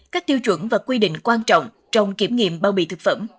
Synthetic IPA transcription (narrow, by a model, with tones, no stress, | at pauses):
kaː˦˥k̚t̪i˧əwt͡ɕwə˧˩nvaː˨˩kwi˧ɗḭ̈˧˨ŋ̟kwaː˧nt͡ɕɔ̰˧˨wŋ͡m | t͡ɕɔ˧wŋ͡mki˧˩əmŋḭ˧˨əmɓaː˧˩wɓḭ˧˨t̪ɨ˨˩k̚fə̰˧˩m